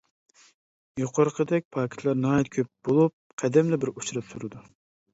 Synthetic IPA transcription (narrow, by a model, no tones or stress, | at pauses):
joqʰʊɾəqʰəd̪ɛk̚ʲpʰɑːkʲʰi̥t̪ʰlˠɑɾnɑːjɛt̪̚kʲʰøp̚b̥olˠup̚qʰɛd̪ɛmlɪbɪɾut͡ʃɾɨpsuɾɨd̪u